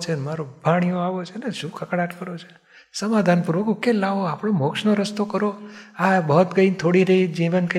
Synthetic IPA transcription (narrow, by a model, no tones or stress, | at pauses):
t͡ʃʰenmaɾobʱaɽ̃ijoaʋot͡ʃʰeneʃũkʰəkɽaʈ̪kəɾot͡ʃʰe̥ | səmad̪ʱanpuɾʋəkukelaʋoapɽ̃omokʃnoɾəst̪okəɾoabəɦt̪ɡəint̪ʰoɽiɾəɦid͡ʒiʋənkə